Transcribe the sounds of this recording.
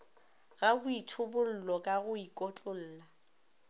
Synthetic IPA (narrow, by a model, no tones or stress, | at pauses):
ɣabʊitʰʊbʊl̩lɔkʼaɣʊikʼɔt͡ɬʼʊl̩ːla